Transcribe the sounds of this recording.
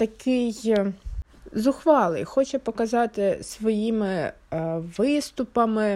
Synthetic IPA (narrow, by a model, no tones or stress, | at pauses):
t̪ɐkɪj | zʊxʋɑlˠɪ̰jxɔt͡ʃɛpɔkɐzɑt̪ɪsʋɔjimɪ | ʋɪst̪ʊpɐmɪ